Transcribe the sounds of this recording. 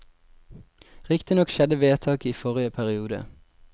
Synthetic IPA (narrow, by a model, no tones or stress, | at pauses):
ʁɪkt̪ɪnɔkʃɛd̪əʋeːt̪ʰɑːkiːfɔʁɪəpʰæʁɪuːd̪ə̰